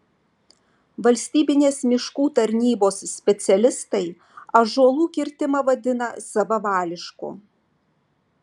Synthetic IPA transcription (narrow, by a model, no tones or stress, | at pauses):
ʋɐlʲsʲt̪ʲiːbʲɪnʲeːsmʲɪʃkuːt̪ɐɾʲnʲiːboːssʲpʲɛt̪sʲɛlʲɪst̪ɐɪ | ɐʒuɔlˠuːkʲɪɾʲt̪ʲɪmɐʋɐd̪ʲɪnɐsɐʋɐʋɑːlʲɪʃkṵ